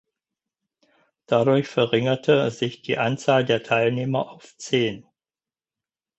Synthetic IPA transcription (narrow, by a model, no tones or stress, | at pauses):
d̥adʊɐçfɛɐʁɪŋɐtʰəzɪçd̥iːʔant͡saːldeːɐtʰaɪlneːmɐʔaʊft͡seːn